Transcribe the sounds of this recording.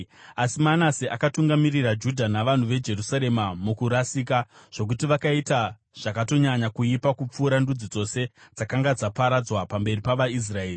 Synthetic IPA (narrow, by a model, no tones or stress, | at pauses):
asimanasiʔakatuŋɡamirirad͡ʒudʱanaʋan̤uʋe̞d͡ʒe̞rusaɾe̞mamukuɾasiːkaʐ̥o̞k̬utiʋakaita | ʐ̥akato̞ɲaɲakuipakup͡fuːɾandud͡zid͡zo̞se̞d͡zakaŋɡad͡zapaɾad͡zwapambe̞ripaʋais̬raeːri